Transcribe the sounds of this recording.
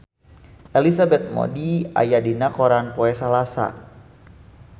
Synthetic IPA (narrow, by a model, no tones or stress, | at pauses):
ʔɛlisabɛt̪̚mɔ̰dia̰jadinakɔɾanpɔɛsalasa̰